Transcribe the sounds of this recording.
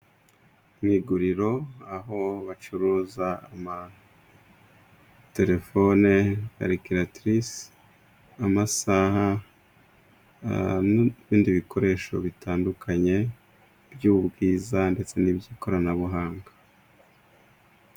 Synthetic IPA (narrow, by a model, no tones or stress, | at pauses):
mŋiːɡuɾiɾo̞aɦo̞βat͡ʃuɾuːzaama | te̞ɾe̞fo̞nea̰ɾikiɾatɾis | amasaha | βiːndiβikʰo̞ɾe̞ːʃo̞̰βitaːndukʰaɲe̞ | bjuːβubɡiːzande̞t͡se̞nibɟiːko̞ɾanaβuɦaːŋɡḁ